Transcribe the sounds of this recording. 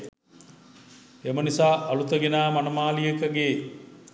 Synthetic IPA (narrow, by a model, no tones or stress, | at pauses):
emənisaːʔalut̪əɡenaːmanəmaːlijəkəɡeː